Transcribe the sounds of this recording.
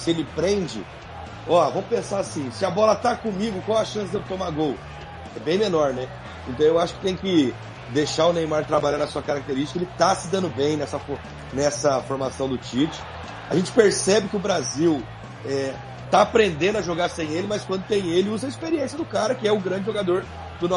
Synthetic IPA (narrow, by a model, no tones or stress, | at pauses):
sɪelɪpɾẽd͡ʒɪ̰ | ɔvɐ̃m̃ʊpẽsaɾasĩsɪɐbɔlɐt̪akõmiɡʊkwawɐʃɐ̃sɪd̪ed͡ʒɪt̪õmaɡow | ɛbẽj̃menɔɾnɛ | ẽnt̪ɐ̃w̃ewaʃʊ̥kɪ̥t̪ẽj̃kɪ | d̪eʃaɾʊnẽj̃maɾt̪ɾabaʎaɾnɐsuɐkaɾak̚t̪eɾiʃt͡ʃikɐelɪt̪asɪd̪ɐ̃nd̪ʊbẽj̃nɛsɐfo | nɛsɐfoɾmasɐ̃w̃d̪ʊt͡ʃit͡ʃɪ̥ | aʒẽnt͡ʃɪ̥peɾsɛbɪkɪʊbɾaziw | ɛ | t̪aːpɾẽnd̪ẽnd̪ʊɐʒoɡaɾsẽj̃elɪmɐskwɐ̃nd̪ʊt̪ẽj̃elɪuzɐispeɾiẽsjɐd̪ʊkaɾɐkɪɛʊɡɾɐ̃d͡ʒɪʒoɡad̪oɾ | d̪̥ʊnɔ